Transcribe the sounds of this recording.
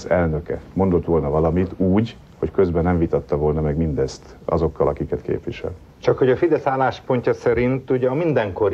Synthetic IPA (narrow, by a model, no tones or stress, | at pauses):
zɛlnøkɛmo̞nd̪o̞t̪ʋo̞lnɒvɒlɒmit̪uːɟ | ho̞ckø̞zbɛnɛɱvit̪ɒt̪ːɒvo̞lnɒmɛɡmind̪ɛst̪ | ɒ̰zo̞kːɒlɒkikɛt̪kḛːpʋiʃɛ̰l | t͡ʃɒkho̞ɟɒfid̪ɛsaːlaːʃpo̞ɲcɒsɛɾint̪uɟɛɒmind̪ɛŋko̞ɾ